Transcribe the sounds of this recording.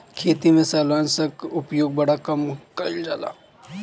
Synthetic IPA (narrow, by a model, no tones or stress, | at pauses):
kʰeːt̪imẽsaːlaːnsɐkʊpjoːɡ̚bɐɽakɐmkɐɾld͡ʒa̰ːla̰ː